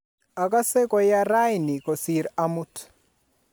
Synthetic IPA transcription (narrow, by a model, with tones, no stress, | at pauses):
a˨ka˦se˦kɔ˨ja˦ɾa˦jɪnɪ˨kɔ˨si˨ɾa˦mu˦t